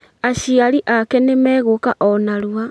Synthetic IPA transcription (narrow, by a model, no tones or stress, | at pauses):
aɕiaɾiʔakɛnemɛːɣokaʔɔnaɾwa